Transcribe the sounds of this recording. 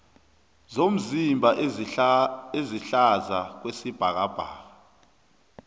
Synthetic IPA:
zom̩zimbʱa | eziɬazak̬wesib̥ʱak̬ab̥ʱa̰ːka

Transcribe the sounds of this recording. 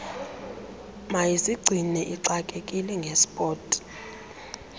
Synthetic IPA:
majisiɡ͡ǀʱinɛʔiǀakʼekʼilɛŋɡʱespʼɔːtʼi̥

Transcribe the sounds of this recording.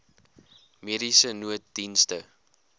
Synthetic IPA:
miəɾisənuət̚dinstə

